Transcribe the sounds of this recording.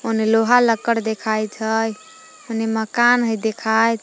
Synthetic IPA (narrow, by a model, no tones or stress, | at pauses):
oneloɦaləkːəɽd̪ekʰajt͡ʃʰəj | oneməkanɦəjd̪ekʰajt̪